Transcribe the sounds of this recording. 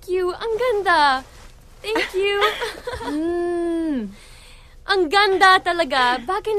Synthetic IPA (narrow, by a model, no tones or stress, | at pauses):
kjuɐŋɡɐnd̪a | t̪ʰɛ̃ŋkju | ʔɐŋɡɐnd̪at̪ɐlɐɡɐbakɐn